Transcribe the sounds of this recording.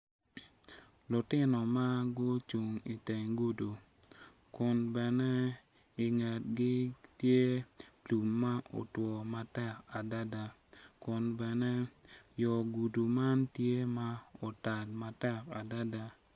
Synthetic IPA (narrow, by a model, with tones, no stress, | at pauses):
lʊ˨tɪ˦nɔ˨ma˦ɡʊ˦t͡ʃu˨ŋi˨tɛ˨ŋɡu˦du˨ | kʊ˨nbɛ˨nɛ˦ | ɪ˨ŋɛ˨t̚ɡɪ˦tje˦tu˨mːa˦ʔo̰˨twɔ˨ma˨tɛ˦˨ka˨da˦da˨ | kʊ˨nbɛ˨nɛ˦jɔ˨ɡu˨du˨ma˦ntje˦ma˦o˨ta˨dma˨tɛ˦ka˨da˦da˨